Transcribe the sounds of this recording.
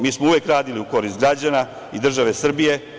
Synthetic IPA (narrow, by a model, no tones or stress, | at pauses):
miːsmouʋjekɾaːd̪iliuko̞ɾist̪ɡɾad͡ʑana | id̪r̩ʒaʋe̞sr̩bije̞